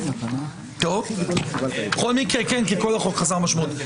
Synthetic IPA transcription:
t̪ov | χolmikekenkikolaχokχazaʁmaʃmut̪

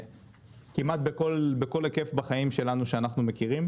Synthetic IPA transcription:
kimat̪̚bekolbe̞ko̞leke̞fbaχajimʃe̞lanuʃeanaχnume̞kiʁim

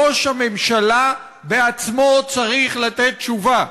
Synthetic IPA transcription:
oʃame̞mʃala | beat͡smo̞t͡saʁiχlat̪et̪̚t͡ʃuva

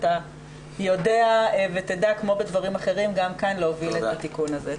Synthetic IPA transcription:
ta | jo̞deaevet̪edakmo̞bed̪vaʁimaχe̞ʁimɡamkanleoviletat̪ikunaze

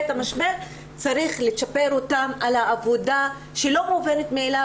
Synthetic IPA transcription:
tamaʃbe | t͡saɾiχleʃapeɾotamalhaːvo̞da | ʃelo̞muvenet̪meːla

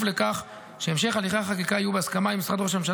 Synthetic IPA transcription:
fle̞kaχ | ʃe̞emʃe̞χaliχaaχak̬ikaajubeaskamaimisʁad̪ʁoʃ̬amʃ̬a

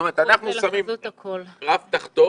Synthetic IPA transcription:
meet̪anaχnussamimkʰlʁaft̪aχt̪o

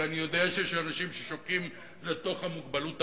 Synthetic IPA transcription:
anijo̞deaʃejeʃanaʃimʃeʃokim | le̞to̞χhamuɡbalut

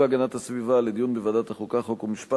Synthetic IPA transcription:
eaɡanat̪hasvivaled̪ijunbevad̪at̪aχukaχokumiʃpa

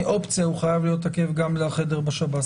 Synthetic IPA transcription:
ʔo̞pt͡sijauχajavlijo̞t̪ake̞vɡamleaχe̞deʁbeʃabat

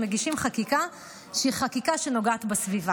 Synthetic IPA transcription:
meɡiʃimχakika | ʃeiχakikaʃe̞no̞ɡaːt̪besviva

